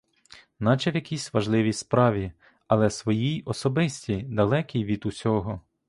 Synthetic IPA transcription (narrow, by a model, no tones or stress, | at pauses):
nɑt͡ʃɛʋʲjɐkʲisʲʋɐʒlˠɪʋʲispɾɑʋʲi | ɐlˠɛsʋɔjijɔsɔbɪsʲtʲid̪ɐlˠɛkʲijʋʲid̪usʲɔɦɔ